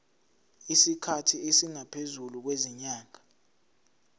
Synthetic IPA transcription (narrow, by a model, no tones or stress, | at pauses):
isikʰatʰiesiŋapʰezuluk̬weziɲaːŋa